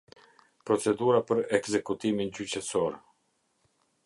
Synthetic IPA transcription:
pɾɔt͡sɛd̪uɾapəɾɛkzɛkut̪imind͡ʑyt͡ɕəsɔɾ

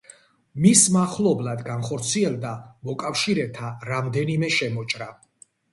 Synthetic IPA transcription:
mismaχlˠɔblˠad̪ɡanχɔɾt̪sʰiɛlˠd̪amɔkʼafʃiɾɛt̪ʰaɾamd̪ɛnimɛʃɛmɔt͡ʃʼɾa

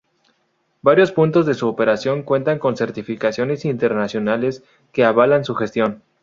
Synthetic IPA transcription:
baɾjo̞spunt̪o̞zðe̞suoːpe̞ɾasjo̞ŋkwe̞nt̪aŋko̞nse̞ɾt̪ifikasjo̞ne̞sint̪e̞ɾnasjo̞nale̞s | ke̞aβ̞alansuxe̞st̪jo̞n

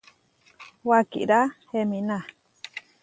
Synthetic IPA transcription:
wakḭɾahemĩna

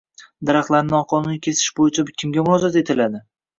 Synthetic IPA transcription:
d̪aɾɑχlˠaɾnɪnɒqʰɒnʊnikʲʰe̞sɪ̥ʃbojɪt͡ʃʰabɪkʲʰɪmɡʲamʊɾɒzɒt̪e̞t̪ʰɪlad̪ɪ

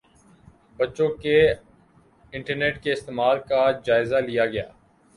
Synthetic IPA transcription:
bɐtːʃõke | ɪ̃ɳʈəɾneːʈkeɪst̪eːmaːlkad͡ʒaːɪzalɪjaɡɐja̰ː

